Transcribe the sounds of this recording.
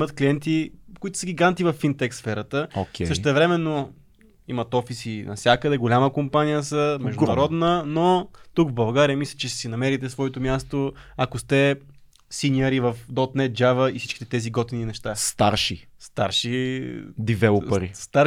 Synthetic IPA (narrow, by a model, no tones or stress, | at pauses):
mət̪kliɛnt̪ikoit̪ʊ̥səɡʲiɡant̪ivɐfːint̪ɛksfɛɾət̪əokʰʲɛsəʃt̪ɛvɾɛmɛnːo | imət̪ɔfisinɐ̰fsʲjakəd̪ɛɡolʲaməkompanijəsəmɛʒd̪nɐɾɔd̪nənot̪uɡvbɐlˠɡaɾijəmislʲɛ̥t͡ʃɛsinɐmɛɾit̪ɛsvɔɛt̪omʲjast̪oakost̪ɛ | sinʲəɾivɐfd̪ɔt̪nɛt̪̚d͡ʒavəifsi̥t͡ʃki̥t̪ɛt̪ɛziɡɔt̪ininɛʃt̪ast̪a̰ɾʃist̪a̰ɾʃid̪ivɛʊpəɾḭst̪a